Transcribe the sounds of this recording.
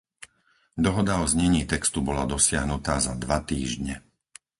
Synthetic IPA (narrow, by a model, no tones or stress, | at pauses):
d̪ɔɦɔd̪aɔzɲɛɲiːt̪ɛkst̪ubɔlad̪ɔsɪaɦnut̪aːzad̪ʋat̪iːʒɲɛ